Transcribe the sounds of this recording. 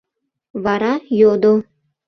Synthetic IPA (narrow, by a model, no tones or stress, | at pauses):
vaɾajod̪o